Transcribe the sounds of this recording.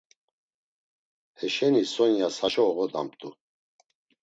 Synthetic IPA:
hɛʃɛnisɔnjasaʃɔːɣɔd̪a̰mpt̪ʼu

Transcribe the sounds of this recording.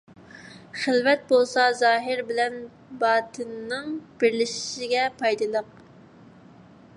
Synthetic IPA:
χəlvɛt̪̚bolˠsɑzɑːɦɪɾbɪlɛn | bɑːt̪ʰɨnːɨŋb̥ɪɾlɪʃɪ̥ʃɪɡʲɛpʰɑjd̪ɨlˠəq̚

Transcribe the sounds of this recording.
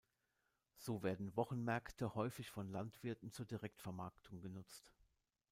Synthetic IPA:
z̥oːveːɐdn̩vɔχn̩mɛɐktʰəhɔʏfɪçfɔnlantv̥ɪɐtn̩t͡suːɐdiʁɛktfɛɐmaɐktʰʊŋɡənʊt͡st

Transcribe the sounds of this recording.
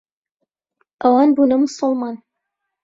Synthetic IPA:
ʔɐwɑːnbuːnɐmʊsʊlˠmɑːn

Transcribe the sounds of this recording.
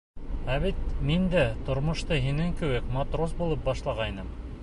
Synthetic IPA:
æβit̪mind̪æt̪ŏɾmŏʃt̪ɤɦinɘŋkɘ̆wɘkmat̪rosbulˠɤp̚bɑʃlˠɑʁɑjnɤm

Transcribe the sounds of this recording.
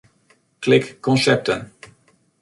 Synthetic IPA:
klɪkːɔnsɛp̚tən

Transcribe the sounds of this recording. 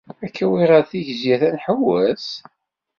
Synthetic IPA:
ækʰːæwiʁɑɾθiʝzjæθænħəwːæz

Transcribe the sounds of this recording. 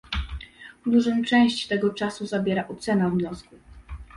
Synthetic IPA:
d̪uʐɔmt͡ʂɛ̃w̃ɕt͡ɕt̪ɛɡɔt͡ʂasuzabʲjɛɾaʔɔt̪sɛnavɲɔsku

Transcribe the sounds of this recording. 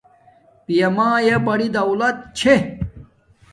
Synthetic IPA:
pijɐmãːjebɐɽid̪ɐwlɐt̪̚t͡ɕʰe

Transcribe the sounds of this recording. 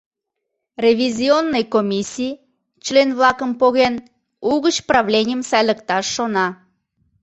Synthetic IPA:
rʲevʲizʲionːəjkomʲisʲij | t͡ɕlenβlɑkəmpoɣen | uɣət͡ɕprɑβlʲenʲɪjəmsɑjlʲəkt̪ɑʃːonɑ

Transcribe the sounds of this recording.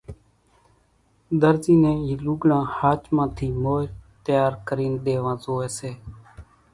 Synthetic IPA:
d̪əɾziːnẽːiːluːɡlãːhaːt͡ʃmãːt̪ʰiːmoːt̪jaːɾkəɾiːnd̪eːʋãːzoːeːseː

